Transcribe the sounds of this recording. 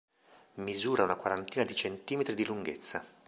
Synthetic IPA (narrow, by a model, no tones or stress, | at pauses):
mizuːɾaunakwaɾant̪iːnad̪it͡ʃent̪iːmet̪ɾid̪iluŋɡet̪sːa